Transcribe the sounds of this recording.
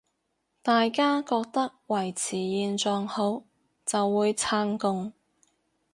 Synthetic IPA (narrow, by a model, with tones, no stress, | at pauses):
t̪aː˨jkaː˥kɔː˧k̚t̪ɐ˥k̚wɐ˨˩jt͡sʰiː˨˩jiː˨˧nt͡sɔː˧ŋho˨˥w | t͡sɐ˨wːuː˨˧jt͡sʰaː˧ŋkʊ˧ŋ